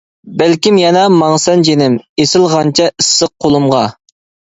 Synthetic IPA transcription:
bælkʲimjɛnɑmɑŋsɛnd͡ʒenɪmesɪlˠʁɑnt͡ʃʰɛʔisːəq̚ʰːolˠumʁɑ

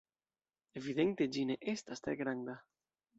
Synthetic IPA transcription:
eviðent̪ed͡ʒineʔest̪ast̪ɾeɡɾand̪a

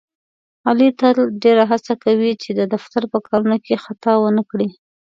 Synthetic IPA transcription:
ɑlit̪əlɖeɾaɦat͡sakawit͡ʃed̪əd̪aft̪aɾpəkʰɑlunokexat̪ɑwənəkɽi

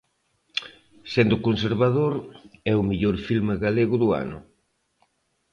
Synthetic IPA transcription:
send̪ʊkonseɾβaðoɾɛʊmiʎoɾfilmaɣaleɣʊðʊa̰nʊ̰

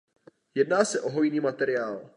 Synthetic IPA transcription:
jɛdnaːsɛʔo̞ɦo̞jniːmat̪ɛɾɪaːl

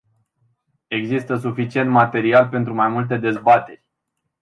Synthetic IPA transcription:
e̞ɡzist̪əs̬ufit͡ʃie̞nt̪mat̪e̞ɾialpe̞nt̪ɾumajmult̪̬e̞d̪e̞zbat̪e̞rʲ

